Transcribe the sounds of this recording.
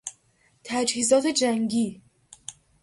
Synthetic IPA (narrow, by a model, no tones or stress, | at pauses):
t̪ʰæd͡ʒhiːzɒːt̪ʰe̞d͡ʒæŋɡiː